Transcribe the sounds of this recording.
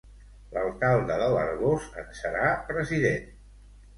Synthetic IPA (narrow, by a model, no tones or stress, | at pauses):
ləlˠkalˠd̪əðələ̰ɾɣost̪ə̰nsəɾapɾəziðen